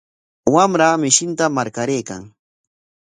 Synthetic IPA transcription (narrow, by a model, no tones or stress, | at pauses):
wamɾamɪʃɪnt̪amaɾkaɾejka̰ŋ